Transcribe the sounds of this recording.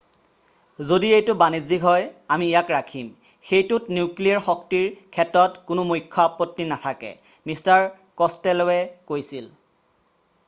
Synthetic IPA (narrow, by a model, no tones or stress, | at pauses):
zodiejtʊbanizikɦɔjamiːjakɹakʰim | xejtʊtnuklijaɹxɔktiɹkʰɛtɹɔtkʊnʊmujkʰːɔapɔtːinatʰakɛ̰ | mistaɹ | kɔstɛlɔwɛkojsil